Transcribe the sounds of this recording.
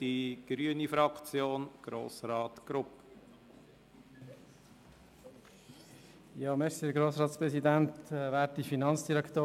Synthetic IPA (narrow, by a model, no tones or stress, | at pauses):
d̥iɡ̥ɾyənifɾɑkt͡sjoːnɡ̥ɾo̰ːsɾɑːt̪ɡ̥ɾʊp | jɑːmɛɾsid̪əɡɾoːsɾɑːt̪spɾɛsidænt̪ːvɛːtifinɑnsd̥iɾɛkʰt̪oː